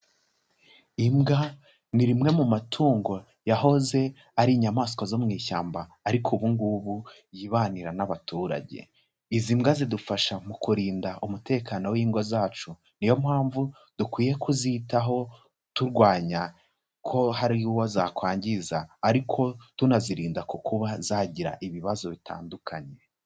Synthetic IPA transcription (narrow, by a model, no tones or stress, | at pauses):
imɡa | niɾimŋe̞mumatʰuːŋɡo̞ | jaɦo̞ze̞ | aɾiːɲamaːskwazo̞mŋiːʃaːmbaːɾikʰuβuŋɡuːβu | jiːβaːniɾanaβatuːɾa̰ɟe̞̰ | izimɡazidufaʃamukuɾiːndaʔumutʰe̞ːkaːno̞wiːŋɡo̞zaːt͡ʃu | nijo̞mhaːɱvu | d̥ukwiːje̞kʰuzitaɦo̞ | tuɾɡwaːɲa | kʰo̞haɾiwozaːkwaːɲɟizaːɾikʰo̞tunaziɾiːndakukuβazaɟiɾa̰ʔiβiβazo̞βitʰa̰ːndukʰaɲe̞